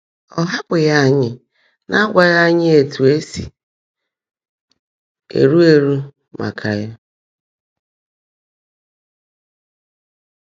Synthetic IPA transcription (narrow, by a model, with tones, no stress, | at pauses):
ɔ˦ɦa˦kʷɪ˨ja˦˨ɲɪ˨ | nʔa˦ɡʷa˦ja˦ɲɪ˦e˨tu˨e˦sḭ˨ | ḛ˨ɾu˦e˨ɾu˦ | mʔa̰˨kʰa˨ja˦